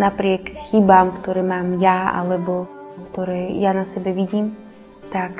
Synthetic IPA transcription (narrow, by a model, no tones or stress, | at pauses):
napɾɪɛkxibaːmkt̪ɔɾɛːmaːmjaa̰lɛbɔkt̪ɔɾɛːjanasɛbɛʋiɟiːm | t̪ak